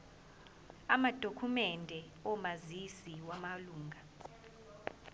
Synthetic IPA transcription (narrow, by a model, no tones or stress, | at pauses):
amad̥ʱokʰumɛndʱɛ | ɔmazisiwamaluːŋʱa